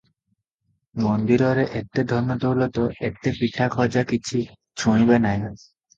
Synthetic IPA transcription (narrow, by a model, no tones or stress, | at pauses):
mond̪iɾɔɾeʔek̚ʈed̪ʱɔnːot̪oulot̪oek̚ʈepiʈʰakʰɔd͡ʑakit͡ɕʰi | t͡ɕʰuɽ̃ibenaj